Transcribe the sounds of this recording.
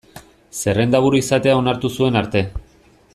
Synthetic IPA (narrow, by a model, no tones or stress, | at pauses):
se̞re̞nd̪aβuɾuisat̪e̞ao̞naɾt̪usue̞naɾt̪e̞